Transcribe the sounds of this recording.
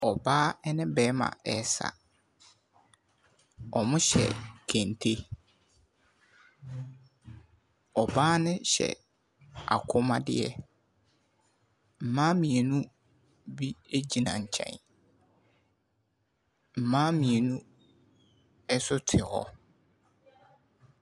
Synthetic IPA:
ɔ˨baː˦ɛ˦nɪ̃˦bɛː˦mã̰˨ɛ˨sa̰˨ | ɔ˨mʊ̃˦ɕɛ̰˨kʰæ̃˨n˨tʰe˦ | ɔ˨baː˦nɪ̃˦ɕɛ̰˨ | a̰˨kʰʊ˦mã˦dɪ̰˦ɛ˦ | m̩˨mãː˦mĩ˨e˨nũ˦ | bi˦e˦d͡ʑi˨nã̰˨ɲ̩˨t͡ɕʰɛ̰̃˨n | m̩˨mãː˦mĩ˨e˨nũ˦ | ɛ˦sʊ˦tʰɪ˨hɔ̰˦

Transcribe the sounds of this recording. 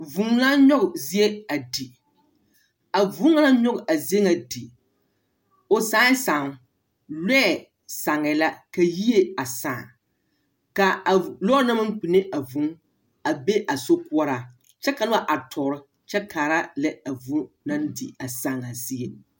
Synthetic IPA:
vu˨˦ŋ˦la˦ɲɔ˦ɣʊ˨zi˦e˦a˨di˨ | a˨vu˦ŋa˦la˦ɲɔ˦ɡʔa˨ze˦ŋa˨di˨ | o˨saː˦saː˨ŋ | lɛ˦˨ | sa˨ŋɛ˨la˦ka˨ji˦e˦a˨saː˨ | ka˨a˨lɔː˦na˦ma˦ŋ˦k͡pi˨ne˦ʔa˨vu˨˦ŋ | a˨be˦ʔa˨so˦kʊ˦ɔ˦ɾa˨ | t͡ʃɛ˦ka˨lɪ˦a˦˨ʔa˨tʰɔ˨ɾɪ˦ | t͡ʃɛ˦kaː˨ɾa˦lɛ˦a˨vu˦ | na˦ndḭ˨a˨saː˨ŋa˨zi˦e˨

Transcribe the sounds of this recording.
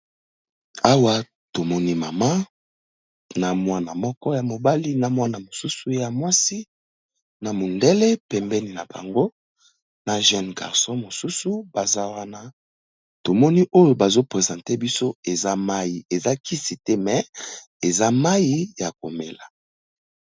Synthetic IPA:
a˦wa˦ | to˨mɔ˦ni˦ma˨ma˦ | na˨mwa˦na˨mɔ˦kɔ˦ja˨mo˨ba˦li˦na˨mwa˦na˨mo˨su˦su˨ja˨mwa˦si˦ | na˨mo˨nde˦le˦pɛ˨mbɛ˦ni˨na˨ba̰˨ŋɡo˦ | na˨ʒɛ˦nɡa̰˨ʁsɔ̃˦mo˨su˦su˨ba˨za˦wa˦na˦ | to˨mɔ˦ni˦ʔo˦jo˨ba˨zo˦pʁe˨zã˨te˦bi˦so˦e˨za˦ma˦ji˨e˨za˦ki˦si˨tɛ˦mɛ˨ | e˨za˦ma˦ji˦ja˨k̚o˨me˨la˨

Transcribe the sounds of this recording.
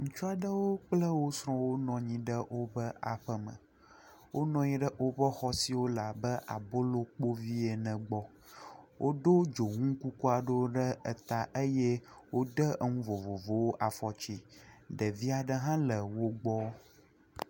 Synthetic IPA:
ŋ̩̃˦t͡ʃu˦a˨ɖə˦wo˦k͡plə˦wo˦sɾ̃ɔ̃˦wo˦nɔ̃˨ɲĩ˨ɖə˦wo˦bə˦ʔa˨ɸə˦mə̰̃˨ | wʔo˦nɔ̃˨ɲĩ˦ɖə˦ʔo˦bə˦xɔ˦si˨wo˦la˨bə˦ʔa̰˨bo˦lo˦k͡po˦vi˦e˨nə̃˨ɡ͡bɔ˦ | wʔo˦ɖo˦d͡ʒo˨ŋũ˦ku˦ku˦a˨ɖo˦ɖə˦ə˨t̪a˨ʔə˦je˦wo˦ɖə˦ə˦ŋũ˦vo˨vo˨vo˨wo˦ʔa˨fɔ˨t͡ʃi˦˨ɖə˨vi˦a˨ɖə˦ɦã˦lə˨wo˦ɡ͡bɔ˦

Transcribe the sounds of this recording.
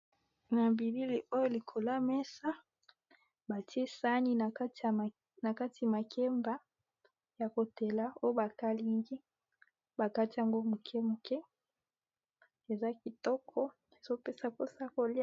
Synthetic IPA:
na˨bi˨li˦li˨ʔo˦jo˦li˨kʰo˨la˦mɛ˦sa˦ | ba˨ti˦e˦sa˦ni˦˨˦t | na˨ka˦ti˨a˨ma˨kʰɛ˦mba˦ | ja˨ko˨te˨la˦o˦jo˦ba˨ka˦li˨˦ŋɡi˦ | ba˨ka˦ti˦a˨ŋɡo˦mu˨kʰɛ˦mu˨kɛ˦ | e˨za˦ki˨tɔ˦kʰɔ˦ | e˨zo˦pe˦sa˨po˦sa˦ko˨l

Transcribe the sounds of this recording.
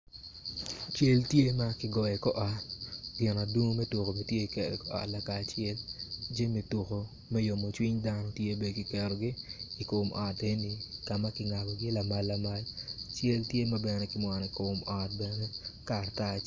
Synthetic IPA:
t͡ʃe˦ltje˦ma˦kɪ˦ɡɔ˨jɛ˨kɔ˦ʔɔ˨tɡɪ˨na˨du˦ŋ˦mɛ˦tu˨ko˨me˨tje˦i˨kɛ˨ɾɛ˨kɔ˦ɔ̰˨tla˨ka˨t͡ʃɪɛ˦ld͡ʒe˦me˨tu˨ko˨ | mɛ˦jo˨mo˨t͡ʃwi˦ɲda˦nɔ˦tje˦be˨dkɪ˨kɛ˨ɾo˨ɡɪː˦˨kʊ˨mʔɔ˨te˦nɪ˨ka˨ma˦kɪŋa˨ɡɔ˨ɡɪ˦la˨ma˦lːa˨ma˦lt͡ʃe˦ltje˦ma˦bɛ˨nɛ˦kɪ˦mwa˨n˨ɪ˨kʊ˨mɔ˨t̚bɛ˨nɛ˦ka˨ta˦˨t͡ʃ

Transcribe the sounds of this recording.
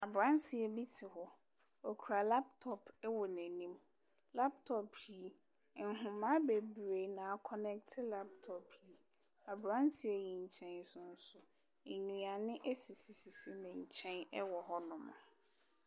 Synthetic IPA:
a˨bɾã˦ntʰi˦ɛ˨bi˦tʰɪ˨ɦɔ˨ | ɔ˨kʰu˨ɾa˨la˦p̚tʰɔ˨pʰɛ˦wɔ˨næ̃˨nĩ˦m | la˦p̚tʰɔ˨pʰi˦˨ | ŋ̩˦ɦʊ̃˨mã˦be˨bɾe˨nã˨˦kʰɔ˨nɛ˦ktʰɪ˦la˦p̚tʰɔ˨pʰi˨˦ | a˨bɾã˦ntʰɪ˦ɛ˨ji˨ɲ̩˨t͡ɕʰɛ̃˦n˦sʊ̃˦n̩˦sʊ˨ | e˨nũ˨a˨nɪ̃˦ʔæ˦si˨si˨si˨si˦nɪ̃˨ɲ̩˨t͡ɕʰɛ̃˦nɛ˦wɔ˨ɦɔ˦nʊ̃˨mʊ̰̃˨

